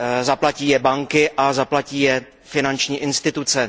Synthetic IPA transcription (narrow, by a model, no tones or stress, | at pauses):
zaplaciːjɛbaŋkɪʔazaplaciːjɛ | fɪnant͡ʃɲiːʔɪnst̪ɪt̪ut͡sɛ